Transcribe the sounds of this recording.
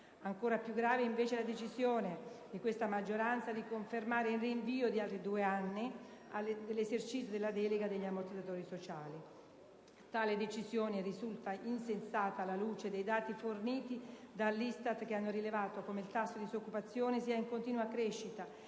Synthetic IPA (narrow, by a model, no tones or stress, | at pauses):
aŋkoːɾapjuɡɾaːveiɱveːt͡ʃelad̪et͡ʃizjoːned̪ikwest̪amad͡ʒːoɾant̪sad̪ikoɱfermaːɾeilriɱviːod̪ialt̪ɾid̪uːeanːiad̪lːesert͡ʃit̪sjod̪elːad̪ɛleɡad̪eʎːamːort̪id̪zat̪oːɾisot͡ʃaːli | t̪aːled̪et͡ʃizjoːnerizult̪aʔinsensaːt̪aːlːaluːt͡ʃed̪ejd̪aːt̪iforniːt̪id̪alːist̪at̪k̟eanːoɾilevaːt̪okomeilt̪asːod̪isokːupat̪sːjoːnesiːaiŋkont̪iːnuakɾeʃːit̪a